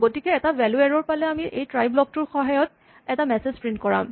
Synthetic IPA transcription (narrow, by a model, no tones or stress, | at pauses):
ɡotikɛɛtavɛluɛɹɔɹpalɛamiʔejtɹajblɔk̚tuɹxɔɦajɔt | ɛtamɛsezpɹint̚kɔɹa̰m